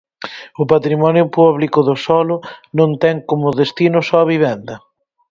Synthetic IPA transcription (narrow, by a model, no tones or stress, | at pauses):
ʊpat̪ɾimɔnjʊpɔβlikʊðʊsɔlʊnõnt̪ɛŋkomʊðest̪inʊsɔɐβiβ̞ɛnd̪ɐ